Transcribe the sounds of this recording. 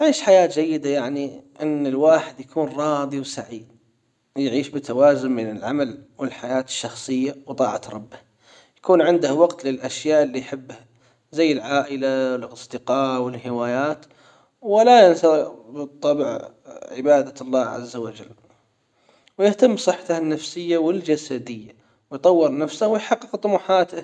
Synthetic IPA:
aʕiːʃħajaːt̪d͡ʒajːɪd̪ajaʕniʔɪnːɪlwaːħɪd̪jakuːnɾˤɑːðˤiwsaʕi | jʕiːʃbɪt̪ʰawaːzʊmmɪnɪlʕa̰malwɪlħajaːt̪ɪ̥ʃːɑxsˤɨjːawt̪ˤɑ̰ːʕa̰t̪ɾˤɑ̰bːɪh | jḁkuːnʕɪnd̪ʊhwɑɡt̪lɪlʔaʃjaːʔlːijħɪbːha | zajːɪlʕaːʔɪlawɪlɑsˤd̪ɪqɑːʔwɪlħɪwaːjaːt̪ | wɪlajɪnsabɨt̪ˤːɑbʕ | ʕɪ̰baːd̪alˤːɑːʕa̰zːawad͡ʒa̰lː | wjɪht̪amːsˤɨħːat̪ahanːafsɪjːawɪld͡ʒasad̪ɪjːa | wɪjt̪ˤɑwːɨɾˤnafsahwɪjħɑqːɪqt̪ˤʊmuːħaːt̪ɪ

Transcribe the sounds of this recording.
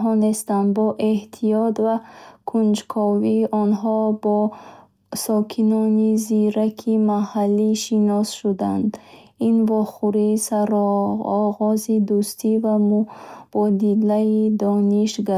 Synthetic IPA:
ɦɔnest̪and̪bɔʔe̞ht̪ʰijɔt̪vakʰund͡ʒkʰɔviːʔɔnɦɔbɔ | sɔkʰinɔniziɾakʰimahalːiʃinɔsʃud̪and̪invɔχuɾisaɾɔːʁɔzid̪ust̪ʰivamub̥ɔd̪ilaid̪ɔniʃɡa

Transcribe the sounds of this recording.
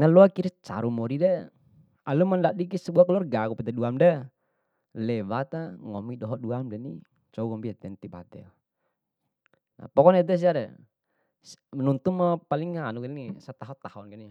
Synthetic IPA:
naluakiɾit͡ʃa̰ɾumɔɾidɛ | alumandaʔdikisɛbuakalɔrɡakupɛt̪aduamdɛ | lɛbat̪aŋɔmidɔɦɔduamdɛnḭ | t͡ʃɔukɔmbiat̪ɛnt̪iba̰t̪ɛ̰l | na̰pɔkɔnɛd̪ɛs̬iaɾɛ | snunt̪umapaliŋːanuknisat̪aɦɔt̪ahɔnkɛni

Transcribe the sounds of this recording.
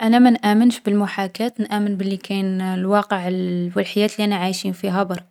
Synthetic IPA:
ʔænæmænʔæmənʃbəlmʊħakæt̪nʔæmənbəlːikʰænlwɑqəʕəlwəlħəjːæːt̪liʔænæʕajʃinfiɦæbɑɾˤ

